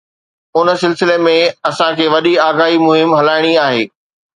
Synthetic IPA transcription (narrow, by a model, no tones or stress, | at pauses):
ʊnə̆sɪlsɪlemẽɐsãkʰeːʋɐɗiaːɡaːɦimʊɦɪmɦɐlaːɪɽ̃iaːɦeː